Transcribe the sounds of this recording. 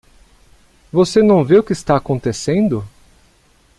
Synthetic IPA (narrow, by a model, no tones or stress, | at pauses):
vosenɐ̃w̃veʊkɪːst̪aːkõnt̪esẽnd̪ʊ